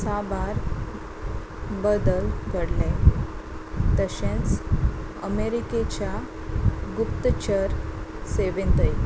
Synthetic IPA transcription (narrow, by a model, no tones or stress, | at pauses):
sabaɾ | bəd̪əlɡʱəɽle | t̪əɕẽnt͡s | ə̰meɾiket͡ɕja | ɡupt̪t͡ɕəɾseʋẽnt̪əj